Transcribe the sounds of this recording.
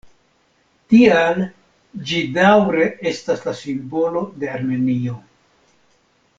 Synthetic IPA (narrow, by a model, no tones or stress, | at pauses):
tial | d͡ʒidawɾe̞ʔe̞staslasimbo̞lo̞de̞aɾme̞nio̞